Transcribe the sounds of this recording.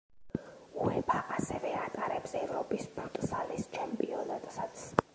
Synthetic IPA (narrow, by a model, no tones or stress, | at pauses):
uɛbʰaʔasɛvɛat̪ʼaɾɛbsɛɛvɾɔpʼispʰuɾt̪ʼsalist͡ʃʰɛmpʼiɔnat̪ʼsat̪sʰ